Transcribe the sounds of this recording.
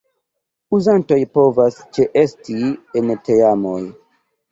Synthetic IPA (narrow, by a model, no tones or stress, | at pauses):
uzanto̞jpo̞vast͡ʃe̞ʔe̞stienteamoj